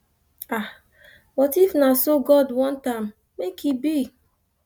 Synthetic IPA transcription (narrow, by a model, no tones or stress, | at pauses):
a | wɔtifnasoɡɔdwɔ̃ntãmː | ekibi